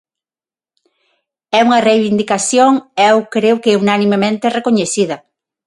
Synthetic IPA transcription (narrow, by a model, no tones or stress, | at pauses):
ɛuŋɐrejβind̪ikaθjoŋɛwkɾewkeunanimemẽnt̪erekoɲeθiðɐ